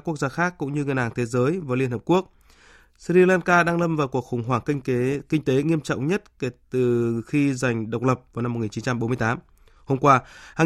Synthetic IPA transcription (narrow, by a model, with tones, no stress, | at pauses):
ku˦˥ək̚zaː˧xaː˦˥kːʊ̰˧˥ŋ͡mɲɨ˧ŋɨ˨˩nʔaː˨˩ŋt̪ʰe˨˦zəː˨˦jvaː˨˦jli˧ənhəː˨˩ku˦˥ək̚ | sɾi˧laː˧nkaː˧ɗaː˧ŋlə˧mvaː˨˩wku˨˩ək̚xʊ˨˩wŋ͡mɦwaː˧˩ŋkkï˧ŋ̟t̪e˨˦ŋi˧əmt͡ɕɔ̰˧˨wŋ͡mɲə˦˥t̚ke˧˩t̪ɨ˨˩xi˧za˨˩jŋ̟ɗə˨˩wk͡p̚lə˨˩p̚vaː˨˩wna˧mo˨˩ŋi˨˩nt͡ɕi˨˦nt͡ɕa˧mɓo˨˦m˧əjt̪aː˨˦m | ho˧mkwaː˧haː˨˩